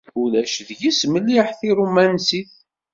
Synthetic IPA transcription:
ulæʃðʝisməlːiħθiɾumænsiθ

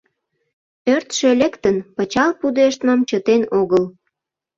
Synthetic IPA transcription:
ørt̪ʃelʲekt̪ənpət͡ɕɑlpud̪eʃt̪mɑmt͡ɕət̪enoɣəl

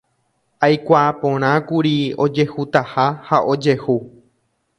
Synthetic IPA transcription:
ajkʷapõɾ̃ãkuɾiod͡ʒe̞hut̪ahahaʔo̞d͡ʒe̞hu

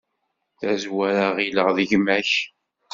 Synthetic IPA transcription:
θæzwæɾaʁiləʁðəʝmæç

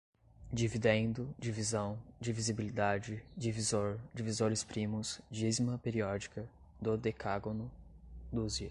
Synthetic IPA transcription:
d͡ʒivid̪ẽd̪ʊd͡ʒivizɐ̃w̃d͡ʒɪvizibilid̪ad͡ʒɪd͡ʒivizoɾd͡ʒivizoɾɪspɾĩmʊz̥d͡ʒizmɐpeɾiɔd͡ʒikɐ | d̪ʊd̪ekaɡonʊd̪uzi

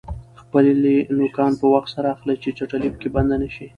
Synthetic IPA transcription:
xpəllenʊkɑnpəwaxt̪saɾaːxlajt͡ʃet͡ʃaʈalipə̥keband̪anaʃi

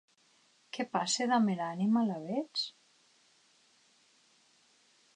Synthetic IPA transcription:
kepaseðameɾanimalaβet͡s

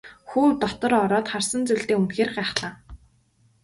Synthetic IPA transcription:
xuːt̪ɔt̪ɞ̆ɾɔɾɔːt̪χarsə̆nt͡suɮt̪eːunxeːrɢæːχɮaː

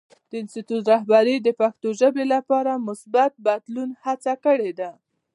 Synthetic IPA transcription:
d̪̥əɪnst̪it̪ut̪ɾaɦbaɾid̪əpaxt̪oʒəbelapɑɾamʊsbat̪̚bad̪lunhat͡sakəɽed̪a

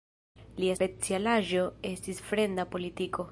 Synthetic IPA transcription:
liaspe̞t͡sialaʒo̞e̞stisfɾe̞nd̪apo̞litikʰo̞

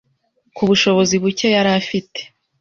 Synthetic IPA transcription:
kuβuʃo̞βo̞ziβucejaɾafite̥

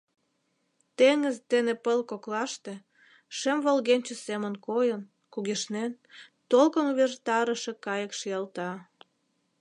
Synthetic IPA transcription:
t̪eŋəzt̪enepəlkoklɑʃt̪e̽ | ʃemβolɣenʲt͡ɕəsemə̆nkojən | kuɣeʃnen | t̪olkonuβert̪ɑɾəʃe̽kɑjəkʃijelt̪ɑ

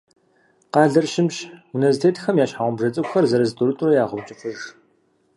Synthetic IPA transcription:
qɑːɮɐrʃɪmʃunɐstʰeːtʰxɐmjaːʃħaʁʷʊmbʒɐt͡sʼɨkʷxɐrzɐɾɐztʰuɾɨtʼʊrɐjaːʁʊwt͡ʃʼɪfʰʷʊʐ

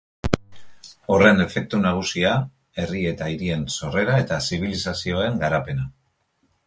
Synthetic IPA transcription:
o̞re̞ne̞fe̞k̚t̪unaɣ̞usia | e̞rie̞t̪aiɾie̞nso̞re̞ɾae̞t̪asiβ̞ilisasio̞e̞ŋɡaɾape̞na

